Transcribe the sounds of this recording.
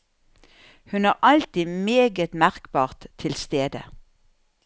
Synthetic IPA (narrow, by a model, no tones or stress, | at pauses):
hʉnɑːʁʔɑlt̪iːmeːɡət̪mæʁkbɑːʁt̪ʰːɪlst̪eːd̪ə̰